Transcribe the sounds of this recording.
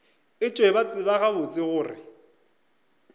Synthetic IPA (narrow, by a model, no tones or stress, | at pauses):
ɪt͡ʃʼwebat͡sʼɪbaɣabʊt͡sʼɪɣʊːrɪ̰